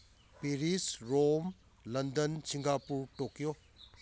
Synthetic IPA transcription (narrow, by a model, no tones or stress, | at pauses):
piɾisɾom | lɐndɐnsiŋɡapuɾʈokijo